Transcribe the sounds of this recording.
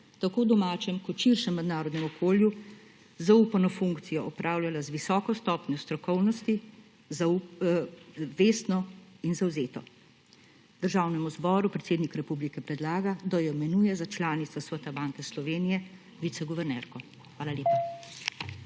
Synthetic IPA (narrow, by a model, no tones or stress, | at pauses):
t̪akoːd̪ɔmaːt͡ʃɛmkɔt̪ʃiɾʃɛmːɛd̪naːɾɔd̪nɛmɔkoːlju | zaupanɔfuŋkt̪sijɔʔɔpɾʔaːwlʲjalazʋisɔːkɔst̪ɔːpɲɔst̪ɾɔkɔwnɔst̪i | zau | ʋeːst̪nɔinzawzeːt̪ɔ | d̪̥əɾʒaːwnɛmuzbɔːɾupɾɛt̪seːd̪nikɾɛpublikɛpɾɛd̪laːɡad̪ajɔmɛnuːjɛzat͡ʃlaːnit̪sasʋət̪abaːŋkɛslɔʋeːnijɛ | ʋit̪sɛɡɔʋɛɾnɛɾkɔ | xʋaːlaleːpa